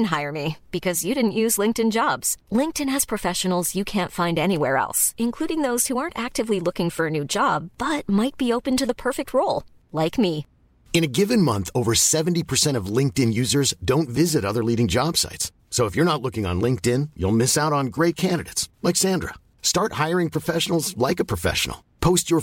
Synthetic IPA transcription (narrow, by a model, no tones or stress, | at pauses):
n̩ɦaɪə˞mib̥ɨkʰʌzjɨɾɪdⁿn̩ʔjʉzlɪ̃ŋktɨ̃nd͡ʒɑbz̥lɪ̃ŋk̚tɨ̃nɨz̥pʰɹ̥ɨfɛʃɨn̩l̩ˠzjɨkʰæ̃ntfãɪ̃ndɛñiwɛɹɛ̰lˠsɨ̃nkʰl̥uɾɪ̃ŋðoʊz̥huɑɹntæk̚tɨvlilʊkɪ̃ŋfə˞ɨnʉd͡ʒɑb̥ːʌt̚maɪt̚b̥ioʊpɨ̃ntɨðəpʰɜ˞fɨk̚t̚ʰɹoʊlˠ | laɪkmi | ɨ̃ñɨɡɪvɨ̃nmʌ̰̃nθoʊvə˞sɛṽn̩tipʰə˞sɛ̃ɾ̃ʌvlɪ̃ŋk̚tɨ̃njʉzə˞zdõʊ̃ntvɪzɨɾʌðə˞liɾɪ̃ŋd͡ʒɑb̥sa̰ɪtsː | oʊəfjə˞nətˡlʊkɪ̃ŋə̰̃nlɪ̃ŋk̚tɪ̃njṵlˠmɪsaʊɾn̩ɡɹeɪt̚kʰæ̃ndɨɾḛɪtslaɪksæ̃ndɹə̰ | stɑɹt̚haɪə˞ɪ̃ŋpʰɹ̥ɨfɛʃnl̩ˠzlaɪkɨpʰɹ̥ɨfɛ̰ʃə̰n̩l̩ˠ | pʰoʊst͡ʃə˞